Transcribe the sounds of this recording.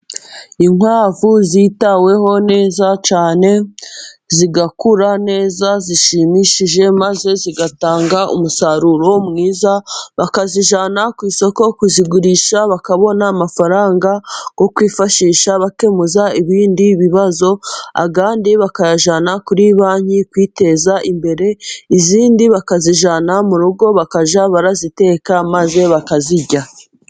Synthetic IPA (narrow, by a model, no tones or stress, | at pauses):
iŋwaːvuziːtawe̞ɦo̞ne̞ːzat͡ʃaːne̞ | ziɡakuɾane̞ːzaziʃimiʃiʒe̞maze̞ziɡataːŋɡaʔṵmusaɾuɾomŋiːzaβakaziʒanakwiːso̞kokuziɡuɾiʃaβakaβo̞naːmafaɾaːŋɡaɡ̥o̞kwiːfaʃiːʃaβake̞muzaiβiːndiβiβazo̞a̰ɡaːndiβakaʒanakuɾiβaːɲikwiːte̞zaʔimbe̞ɾe̞iziːndiβakaziʒanamuɾuɡo̞βakaʒaβaɾazite̞ːkamaze̞βakaziɟa